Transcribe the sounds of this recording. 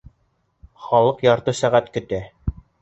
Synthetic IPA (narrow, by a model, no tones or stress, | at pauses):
χɑlˠɤqjɑɾt̪ɤsæʁæt̪kɵ̆t̪æ